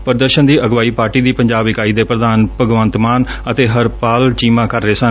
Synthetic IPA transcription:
pəɾd̪əɾʃənd̪iːʔəɡʋaːiːpaːɾʈiːd̪iːpəɲd͡ʒaːbɪkaːiːd̪eːpɾəd̪aːnpəɡʋənt̪maːnət̪eːɦəɾpaːlt͡ʃiːmãːkəɾːeːsən

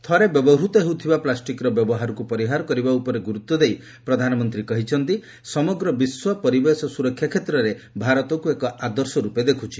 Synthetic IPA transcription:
t̪ʰɔɾebjɔbɔɾut̪ɔɦewt̪ʰibaplasʈikɾɔbjɔbɔɦaɾɔkupɔɾiɦaɾɔkɔɾibaupɔɾeɡuɾut̪ːɔd̪ej | pɾɔd̪ʱanɔmɔnt̪ɾikɔɦit͡ʃʰɔnt̪i | sɔmɔɡɾɔbiswɔpɔɾibesɔsuɾɔkʰːjakʰet̪ɾɔɾebʱaɾɔt̪ɔkuekɔʔad̪ɔɾsɔɾuped̪ekʰut͡ʃʰi̥

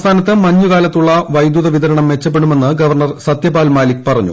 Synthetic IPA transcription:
st̪ʰaːnɐt̪ːɨmɐɲːukaːlɐt̪ːuɭːɐʋɐjd̪juðɐʋid̪ɐɾɐɳɐmʋe̞t͡ɕːɐp̬ːe̞ɽume̞nːɨɡɐʋɐrɳɐrsɐt̪jɐbaːlmaːlikpɐrɐɲːṵ

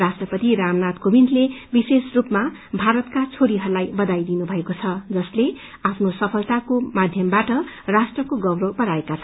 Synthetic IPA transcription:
rasʈrʌpʌt̪iɾamnat̪kobind̪lebisesrupmabʱaɾʌt̪kat͡sʰoɾiɦʌrulajbʌd̪ajd̪inubʱʌekot͡sʰʌd͡zʌsle | apʰnosʌpʰʌlt̪akomad̪ʱjʌmbaʈʌrasʈrʌkoɡʌwɾopʌɾaekat͡sʰ

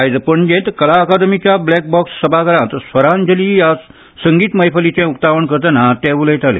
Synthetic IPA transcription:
ajd͡zəpəɳd͡ʑẽt̪kəlaəkad̪əmit͡ɕjablɛk̚bɔksːəbʱakəɾãt̪əsʋəɾãnd͡ʑəlija | səŋɡiːt̪məjpʰəlit͡ɕɛ̃uk̚t̪aʋəɳkəɾt̪ənat̪ɛ̃ʋuləjt̪alḛ

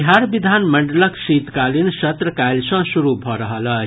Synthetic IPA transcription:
ɦaɾbid̪ʱanməɳɖləksit̪kalinsət̪ɾəkajlsʌ̃suɾubʱɔɾəɦələ

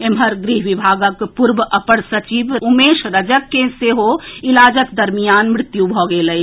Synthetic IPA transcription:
emɦəɾɡɾiɦʋibʱaːɡəkpuɾbəpəɽsət͡ʃibumeʃɾəd͡ʒəkːeseɦoilaːd͡ʒət̪d̪əɾmijaːnmɾɪt̪jubʱɔɡeləj

